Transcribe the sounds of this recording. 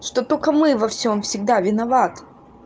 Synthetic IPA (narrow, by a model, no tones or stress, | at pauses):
ʂt̪ot̪okəmɨvɐfsʲo̞mfsʲɪɡ̚d̪avʲɪnɐvat̪